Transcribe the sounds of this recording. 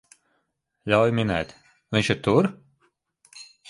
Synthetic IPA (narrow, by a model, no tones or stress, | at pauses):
ʎʲawjminɛ̰ːt̪ | vʲinʲʃiɾt̪uɾ